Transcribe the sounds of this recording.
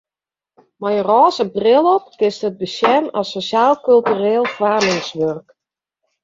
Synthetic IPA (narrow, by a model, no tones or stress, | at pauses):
majərɔːsəbrɪlˠɔpkɪsthəd̚bəsjɛnɔsosjaːlˠkylˠtyreːlˠfwaːlɪŋsʋørk